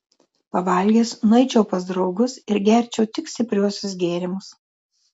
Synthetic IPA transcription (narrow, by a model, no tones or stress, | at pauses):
pɐʋɐˑlʲɡʲeːsnʊɐɪt͡ʃʲɛʊpɐzd̪ɾɒʊɡʊsɪɾɡʲɛɾʲt͡ʃʲɛʊt̪ʲɪksʲt̪ʲɪpʲɾʲuɔsʲʊs̬ɡʲeːɾʲɪmʊs